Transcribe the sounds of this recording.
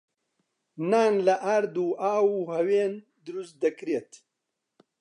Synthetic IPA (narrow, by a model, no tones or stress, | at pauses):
naːnlaʔaɾd̪uːʔaːwuhɐweːn | d̪ɾust̪d̪ɐkɾet̪